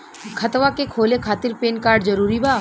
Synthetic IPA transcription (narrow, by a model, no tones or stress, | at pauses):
kʰət̪ʋakekʰoːlekʰaːt̪iɾpeːnkaːɾɖd͡ʒəɾuɾibaː